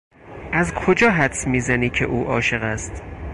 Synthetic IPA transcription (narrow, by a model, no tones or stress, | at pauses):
ʔæzkʰod͡ʒɒːɦæt̪smiːzæniːcʰe̞̰ʔuːʔɒːʃe̞ɣæst̪